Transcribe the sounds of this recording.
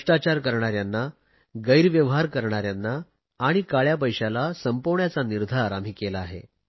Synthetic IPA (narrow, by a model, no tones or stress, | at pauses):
ʈat͡ɕaɾkəɾɳ̃aɾjanːa | ɡəjɾʋjəʋɦaɾkəɾɳ̃aɾjanːaː | ɽ̃ikaɭjap̬əjɕalasəmpoʋɳjat͡saniɾd̪ʱaɾam̤iːkelaːɦḛ